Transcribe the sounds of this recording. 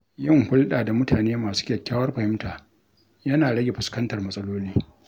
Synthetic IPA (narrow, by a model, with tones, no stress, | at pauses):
jɪ˦˨ŋhʊ˦lɗaː˨da˨mʊ˦tʰaː˨neː˦maː˨su̥ː˦kʲɐ˨kʲːaː˦wɐ˦rɸɐ˨hɪ˦mtaː˨ | jɐ˦naː˨ɽɐ˦ɡʲe˨ɸʊ˨skɐ˦ntɐ˨rmɐ˦sʼɐ˦loː˦liː˦